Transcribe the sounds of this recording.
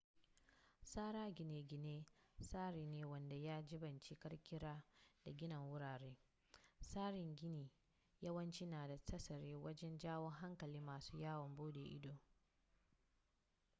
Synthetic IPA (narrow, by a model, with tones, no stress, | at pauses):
saː˦ɾaː˦ɡʲɪ˨neː˨ɡʲɪ˨neː˦saː˦ɾiː˨neː˨wɐ˦nda˨jaː˦d͡ʒɪ˦bɐ˨nt͡ʃi˦kɐ˦ɾkʲɪ˦ɾaː˦d̥a˨ɡʲɪ˦nɐ˨ŋwʊ˦ɽaː˨ɽeː˦ | saː˦ɾɪ˨ŋɡʲɪ˦niː˨ | jɐ˦wɐ˦nt͡ʃi˦naː˨da˨tɐ˦sɐ˨ɾeː˦wɐ˦d͡ʒɛ˦nd͡ʒaː˦wo˦ŋɦa˦ŋkɐ˨liː˦maː˨suː˦jaː˦wɔ˨mbuː˦deː˨ʔɪ̰˦doː˨